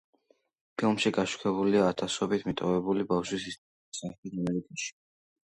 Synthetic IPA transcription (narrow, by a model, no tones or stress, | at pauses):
pʰilˠmʃiɡaʃu̥kʰɛbuliaːt̪ʰasɔbit̪ʰmit̪ʼɔvɛbulibafʃwisist̪ʼ | saɛt̪ʰisamɛɾikʼaʃi̥